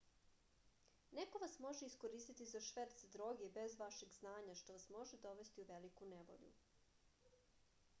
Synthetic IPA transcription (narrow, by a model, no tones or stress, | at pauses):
neko̞ʋasmo̞ʒeiskoɾiːst̪it̪izaʃʋeɾt̪sd̪ɾoɡebezʋaʃeɡznaːɲaʃt̪o̞ʋasmo̞ʒed̪oʋe̞st̪iuʋelikuneʋo̞̰ʎṵ